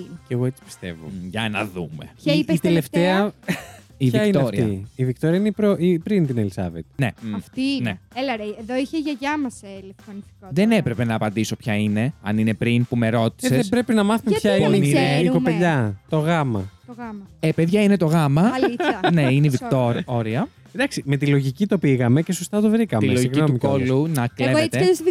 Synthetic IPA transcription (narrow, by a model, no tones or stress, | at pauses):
ceɣoet͡si̥pi̥st̪e̞̰vo̰ʝɐnɐðume̞̰ɐiit̪eleft̪eɐ | iviɐkinɐoɾiiɐivik̚t̪oɾiɐineipɾoʔipɾint̪inelisɐ̰vet̪̚ne̞̰ɐft̪ineelɐɾeeðoiçeʝɐʝɐmɐselefθɾonisikoðe̞ne̞pɾe̞pe̞nɐːpɐnd̪iso̞pçɐine̞ɐ̰nine̞pɾinpume̞ɾo̞t̪i̥seðebɾe̞pinɐmɐθumeçɐoninineeikopeʎɐt̪o̞ɣɐmɐ̰oɣɐmɐepeðʝɐine̞t̪o̞ɣɐmɐliɐne̞ineivikt̪oɾoɾiɐ | d̪ɐksime̞t̪ilo̞ʝicit̪o̞piɣɐmecesost̪ɐt̪ovɾikɐmieloʝiɣcniot̪umikolunɐkleeeɐs